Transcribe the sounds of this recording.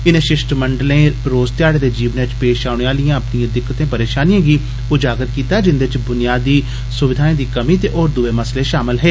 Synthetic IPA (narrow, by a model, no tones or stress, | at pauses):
ɪnẽːʃɪʃʈməɳɖəlẽːɾoːzt̪ɪjaːɽeːd̪eːd͡ʒiːʋneːɪt͡ʃpeːʃaːʊɳeːaːlijãːəpɳijãːd̪ɪkːət̪ẽːpəɾeːʃaːnijãːɡiː | ʊd͡ʒaːɡət̪̚kiːt̪aːd͡ʒɪnd̪et͡ʃbʊnɪjaːd̪iː | sʊʋɪd̪ʱaːẽd̪iːkəmiːt̪eːʔoːɾd̪ʊʋeːməsleːʃaːmɪlɦɛː